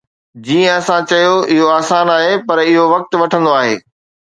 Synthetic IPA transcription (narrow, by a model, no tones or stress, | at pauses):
d͡ʑiːə̃ɐsãt͡ɕɐjoɪɦoaːsaːnaːɦepɐɾɪɦoʋɐk̚t̪̆ʋɐʈʰə̃nd̪oaːɦḛː